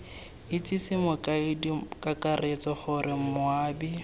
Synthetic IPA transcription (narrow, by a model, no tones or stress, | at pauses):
ɪt͡sʼisɪmʊkʼaidikʼakʼaret͡sɔχʊrʔɪm̩mʊaːbi